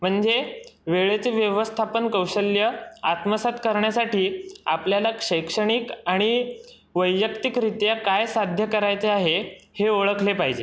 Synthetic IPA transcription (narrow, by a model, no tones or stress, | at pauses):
m̤əɳd͡zeʋeɭet͡seʋjəʋəst̪ʰapənkəwɕəljəat̪məsat̪kəɾɳjasaʈiːapljalakʂəjkʂəɽ̃ikaɽ̃i | ʋəjːjəkt̪ikɾit̪jakajsad̪ʱjəkəɾajt͡seaɦeheoɭəkʰlepaɦid͡ʑe